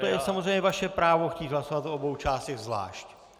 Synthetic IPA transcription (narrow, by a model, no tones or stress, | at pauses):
ojɛsamozrejɲɛvaʃɛpɾaːvo̞xciːt̪ɦlasovat̪obowt͡ʃaːst̪ɛɣzvla̰ːʃc